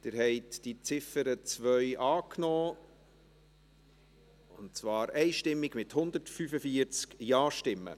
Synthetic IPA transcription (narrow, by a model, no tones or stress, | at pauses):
d̥ɪɾhɛɪtd̥it͡sɪfəɾət͡svœʏʔɑːknɔː | ʊnt͡svɑːɾɛɪʃtɪmːɪɡmɪthʊnd̪əɾtfyfəfiəɾt͡skjɑːʃtɪmːə̰